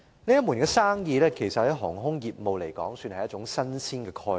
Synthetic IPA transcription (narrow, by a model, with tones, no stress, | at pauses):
ne˥jɐ˥muː˨˩nkɛː˧saː˥ŋjiː˨˧lɛː˥kʰe˨˩jsɐ˨t̚hɐ˨˥jɦɔː˨˩ŋɦʊ˥ŋjiː˨p̚mo˨wle˨˩jkɔ̰ː˨˥ŋsyː˧nhɐ˨jɐ˥t͡ʃʊ˨˧˥ŋsɐ˥nsiː˥nkɛː˧kʰɔː˧